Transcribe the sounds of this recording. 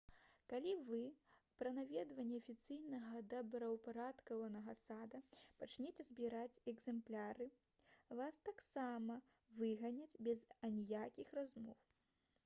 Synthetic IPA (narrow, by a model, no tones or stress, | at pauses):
kalʲivɨpɾɐnavʲɛd̪vɐnʲːɛɐfʲit̪sɨjnɐɣɐd̪ɐbɾɐwpaɾat̪kɐvɐnɐɣɐsad̪ɐpat͡ʃnʲet͡sʲɛzbʲiɾat͡sʲɛɡzɛmplʲaɾɨ | vast̪aksamɐ | vɨɣɐnʲɐt͡sʲbʲɛzanʲjakʲixrazmɔw